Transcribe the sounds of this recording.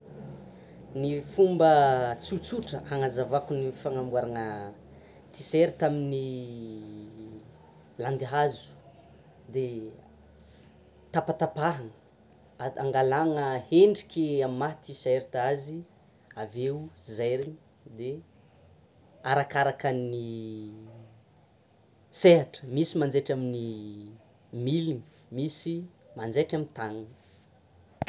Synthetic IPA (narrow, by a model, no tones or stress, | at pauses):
nifumbət͡sut͡suʈ͡ʂəhaŋazavakunifaŋambwaɾanə | t̪iseɾit̪amini | land̪iɦazu̥ | d̪e | t̪apat̪apaɦanə | aŋɡalaŋəheɳɖ͡ʐikʲiamimat̪iseɾt̪azi | aveuzejɾin | d̪e | aɾakaɾakani | seɦaʈ͡ʂə̥misimand͡zeʈ͡ʂamini | milini | misi | mand͡zeʈ͡ʂamint̪aŋə